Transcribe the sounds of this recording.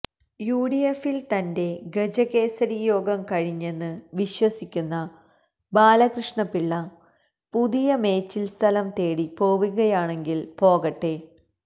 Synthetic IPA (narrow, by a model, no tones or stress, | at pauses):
juːɽijefilt̪ɐnde̞ɡed͡ʑɐɣe̞ːsɐɾijo̞ːɡɐmkɐɻiɲːe̞nːɨʋiɕwɐsikʲːunːɐ | baːlɐkrɨʂɳɐpːiɭːɐ | puðijɐme̞ːt͡ɕːilst̪ʰɐlɐmt̪e̞ːɽipo̞ːʋuɣɐjaːɳe̞ŋɡilpo̞ːɣɐʈːe